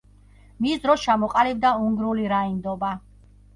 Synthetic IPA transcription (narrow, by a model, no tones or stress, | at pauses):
misd̪ɾɔst͡ʃʰamɔqʼalɛb̚d̪auŋɡɾuliɾaind̪ɔba